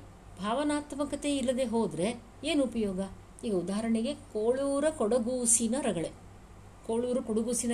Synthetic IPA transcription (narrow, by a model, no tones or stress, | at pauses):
bʱaːʋɐnaːt̪ʋɐkɐt̪eilːɐd̪eɦoːd̪ɾe̞ | eːnupɐjoːɡɐ | iːɡɐud̪aːɐɾɐɳeɡe̞koːɭuːɾɐkɔɽɐɡuːsinɐɾɐɡɐɭe | koːɭuːɾɐkoɽɐɡuːsinɐ